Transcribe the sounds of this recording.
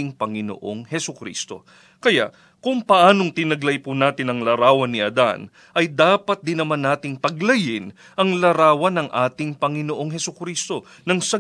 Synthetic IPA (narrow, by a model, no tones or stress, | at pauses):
ɪŋpɐŋɪno̰ʔo̞̰ŋhɛsʊkɾḭːst̪o̞̰ | kɐja̰ʔ | kʊŋpɐʔaːnoŋt̪ɪnɐɡlɐjpunaːt̪ɪnɐŋlɐɾaːwɐnːɪʔɐd̪a̰n | ʔɐjd̪aːpɐt̪̚d̪ɪnːɐmanːaːt̪ɪŋt̪ɐɡlɐjɪn | ʔɐŋlɐɾaːwɐnɐŋʔaːt̪ɪŋpɐŋɪnoʔo̞ŋɦɛsʊkɾiːst̪o̞ | nɐŋsɐ